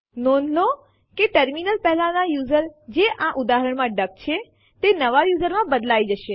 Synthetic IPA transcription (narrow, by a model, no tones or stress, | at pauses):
nonlo | keʈəɾminəlpɛɦlãnajuːzəɾd͡ʒeʔãʔʊd̪aɦəɾəɳmãɖək̚t͡ʃʰe | t̪enəʋajuːzəɾmãbəd̪laid͡ʒəʃe